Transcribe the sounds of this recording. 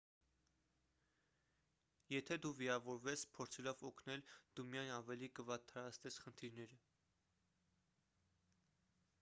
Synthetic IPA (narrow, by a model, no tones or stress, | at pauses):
jɛt̪ʰɛd̪uviɾɑvɔɾvɛt͡spʰɔɾt͡sʰɛlɔvɔkʰnɛld̪̥umijɑjnɑvɛlikəvɑt̪ʰːɑɾɑt͡sʰt̪ɛsχənt̪ʰiɾnɛɾə